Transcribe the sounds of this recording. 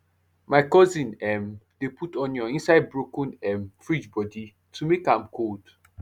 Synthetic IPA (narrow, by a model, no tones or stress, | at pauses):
maɪkɔzĩnɛmd̥eputɔ̃njɔĩnsaɪd̚bɹokɔ̃nɛmfɹid͡ʒbɔdi | tʰumekãmkʰod̥